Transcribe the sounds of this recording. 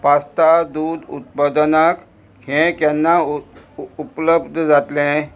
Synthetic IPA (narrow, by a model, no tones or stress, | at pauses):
past̪ad̪ud̪ṵt̪̚pad̪nak | hɛ̃kjanːa | upləbd̪ʱd͡zat̪lɛ̃